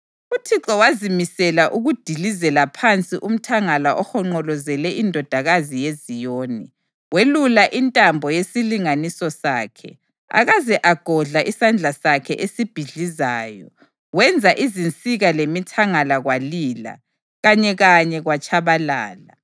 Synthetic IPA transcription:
utʰiǁɔwazimisɛlaʔuɣud̥ʱilizɛlapʰant͡sʼiʔum̩tʰaŋalaʔɔhɔŋ͡ǃɔlɔzɛlɛʔindʱɔd̥ʱaɣazijezijoːni | welulaʔintʼambʱɔjesiliŋanisɔsaːkʰɛ̰ | a̰ɣazɛʔaɡ̥ʱɔɮaʔisand͡ɮʱasakʰɛ̰ʔesib̥ʱiɮizaːjɔ | wɛnd͡zʱaʔizint͡sʼiɣalemitʰaŋalaɣwalila̰ | ɣaɲɛɣaɲɛɣwat͡ʃʰʼaβalaːla

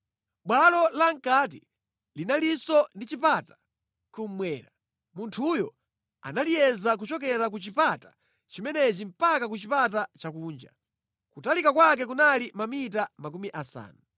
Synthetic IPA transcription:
ɓwalɔlaŋ̩kat̬i | linalisɔndit͡ʃipatḁ | kum̩mwɛːɾa | muntʰujɔ̰ | a̰nalijɛzak̬ut͡ʃɔkɛɾak̬ut͡ʃipatḁ | t͡ʃimɛnɛt͡ʃim̩pakak̬ut͡ʃipat̬at͡ʃakuːnd͡ʒa̰ | kutalikakwak̬ɛk̬unalimamit̬amak̬umiʔasa̰ːna

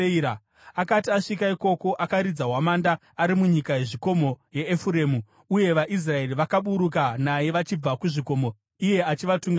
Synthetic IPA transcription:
a | akatiaʂikaiko̞ko̞ʔakaɾid͡zaɦwamandaːɾimuɲikaje̞ʐiko̞mo̞je̞ːfuɾe̞ːmu | uje̞ʋaʔis̬rae̞riʋakaɓuɾukanaje̞ʋat͡ʃib͡vakuʐiko̞mo | ije̞at͡ʃiʋatuŋɡa

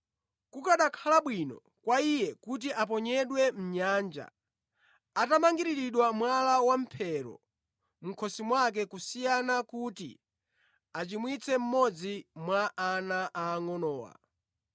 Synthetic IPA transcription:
kukaɗakʰalaɓwinɔ̰ | kwaijɛkut̬iʔap̬ɔɲɛɗwɛm̩ɲaːnd͡ʒa̰ | atamaŋɡiɾiɾiɗwamwalawam̩pʰɛɾɔ̰ | m̩kʰɔsimwak̬ɛkusijanakutḭ | at͡ʃimwit͡sʰɛm̩mɔd͡zimwaʔːnaʔaːŋɔnɔːwa̰

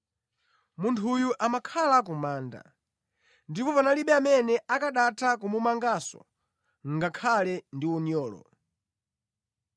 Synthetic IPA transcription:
muntʰujuʔamakʰalak̬umaːnda̰ | ndipɔpanaliɓɛamɛnɛakaɗatʰakumumaŋɡasɔ̰ | ŋɡakʰalɛndiunjɔːlɔ̰

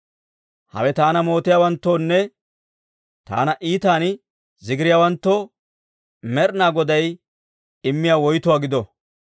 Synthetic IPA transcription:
hɐ̰wɛt̪aːnɐmo̞ːt̪ɪjaːwɐnt̪ːoːnːɛ | t̪a̰ːnɐʔiːt̪aːn | zɪɡɪɾɪjaːwɐnt̪ːo | mɛɾnaːɡɔd̪ɐj | ɪmːɪjaːwɔjt̪ʊwaːɡɪd̪ɔ

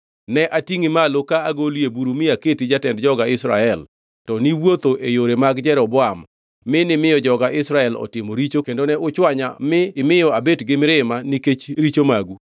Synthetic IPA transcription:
nɛʔatiŋimalokaːɡoljebuɾumɪaketid͡ʒatɛndd͡ʒɔɡaɪsɾaɛl | tɔniwot̪oʔejoɾemaɡd͡ʒɛɾɔbɔam | mɪnɪmɪjɔd͡ʒɔɡaʔɪsɾaɛlɔ̰tɪmoɾit͡ʃokendonɛʊt͡ʃwaɲa̰mɪːmɪjɔabetɡɪmɾɪmaniket͡ʃɾit͡ʃomaɡu

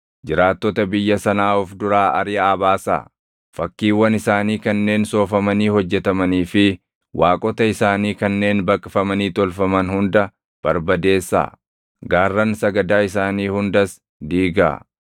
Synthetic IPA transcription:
d͡ʒɪɾaːt̪ːɔt̪ɐbɪjːɐsɐnaːɔfd̪ʊɾaːʔɐ̰ɾɪaːbaːsa̰ː | fɐkːiːwːɐnɪsaːniːkɐnːe̞ːnso̞ːfɐmɐniːhɔd͡ʒːɛt̪ɐmɐniːfɪ | wʔaːkʼɔt̪ɐɪsaːniːkɐnːe̞ːnbɐkʼːɪfɐmɐniːt̪ɔlfɐmɐnhʊnd̪ɐ | b̥ɐɾbɐd̪e̞ːsːa̰ː | ɡaːrːɐnsɐɡɐd̪aːɪsaːniːhʊnd̪ɐs | d̪iːɡa̰ː

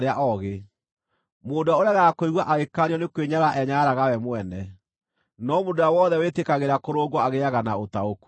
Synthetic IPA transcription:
ɾeaʔɔɣe | moːndoaoɾeaɣakoiɣwaʔaɣekaɾiɔnekweɲaɾaʔɛɲaɾaɣawɛmwɛnɛ | nɔmodoawɔðɛwetekaɣeɾakoɾoːɡwɔaɣeaɣanaotaoku̥

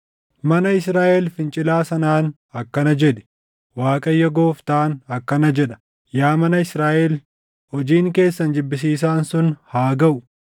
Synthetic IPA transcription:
mɐnɐɪsɾaːʔɛlfɪnt͡ʃʼɪlaːsɐnaːn | ɐkːɐnɐd͡ʒɛᶑɛ̥ | waːkʼɐjːɐɡo̞ːft̪aːnɐkːɐnɐd͡ʒɛᶑɐ̥ | jaːmɐnɐɪsɾaːʔel | hɔd͡ʒiːŋke̞ːsːɐnd͡ʒɪbːɪs̬iːs̬aːnsʊnhaːɡɐʔʊ

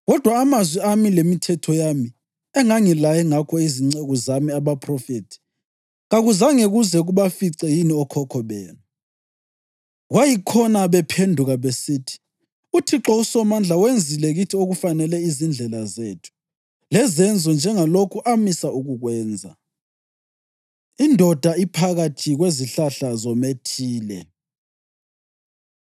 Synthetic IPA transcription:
ɣɔd̥ʱwaːmazwiamilemitʰɛtʰɔjami | ɛŋaŋilajɛŋakʰɔiziŋ͡ǀeɣɔzamiaβapʰrɔfetʰi̥ | ɣaɣuzaŋeɣuzɛɣuβafiǀɛjiniɔkʰɔkʰɔβɛːna | ɣwajikʰɔnaβɛpʰendʱuɣaβesiːtʰi̥ | utʰiǁɔusɔmand͡ɮʱawend͡zʱilɛɣitʰioɣufanɛlɛizind͡ɮʱɛlazeːtʰu̥ | lɛzɛnd͡zʱɔnd͡ʒʱɛŋalokʰuʔamisauɣuɣwɛːnd͡zʱa̰ | indʱɔd̥ʱaipʰaɣatʰiɣweziɬaɬazɔmetʰiːlɛ̰

